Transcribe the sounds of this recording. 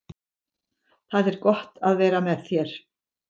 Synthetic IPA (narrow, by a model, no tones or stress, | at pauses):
θaðɛɾkɔht̪aðvɛːɾamɛðθjɛɾ̥